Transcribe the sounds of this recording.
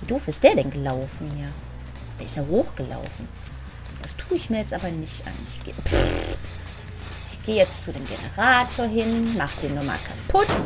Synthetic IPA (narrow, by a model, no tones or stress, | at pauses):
viːd̥oːfɪstd̥eːɐɾɛnɡəlaʊfn̩jaː | d̥eːɐɪstaːhoːxɡ̥əla̰ʊfn̩ | d̥astʰuːɪçmiːɐjɛt͡stʔaːbɐnɪçta̰nɪçɡ̥eːp | ʔɪçɡ̥eːjɛt͡st͡sudeːmɡḛnə̰ʁaːtʰoːɐɦɪnmaχəd̥eːnuma̰ːlkʰapʰʊt